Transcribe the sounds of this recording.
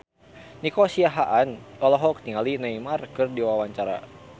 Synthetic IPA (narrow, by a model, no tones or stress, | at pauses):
nikosiaɦaʔanɔlɔɦɔkt̪iŋalinaimarkɨrdiwawaɲt͡ʃaɾa̰